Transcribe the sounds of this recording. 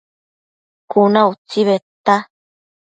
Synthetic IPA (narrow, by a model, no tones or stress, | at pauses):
kunaut͡siβet̪a